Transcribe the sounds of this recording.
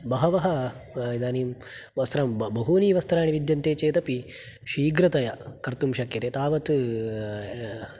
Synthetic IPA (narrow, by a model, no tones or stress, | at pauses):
bɐɦɐʋɐɦɐ | id̪aːniːm | ʋɐst̪ɾɐmbɐɦuːniːʋɐst̪ɐɾaːɳiʋid̪jɐnt̪eːt͡ʃeːt̪ɐpi | ʃiːɡɾɐt̪ɐjɐkɐɾt̪umʃɐkjɐt̪eːt̪aːʋɐt̪